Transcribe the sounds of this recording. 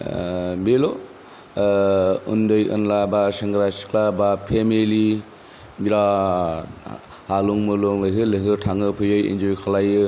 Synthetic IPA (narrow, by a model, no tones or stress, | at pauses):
belo | ṵndɯjʔɯ̰nlabaseŋɡɾasi̥klabapʰemili | biɾa | haluŋmɯloŋlɯjɦɯlɯɦɯtʰaŋɯpʰɯjɯjḭnd͡ʒoɾikʰalajɯ